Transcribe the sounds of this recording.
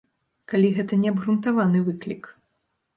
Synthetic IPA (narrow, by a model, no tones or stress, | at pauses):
kalʲiɣɛt̪ɐnʲɛɐbɣɾunt̪avanɨvɨklʲḭk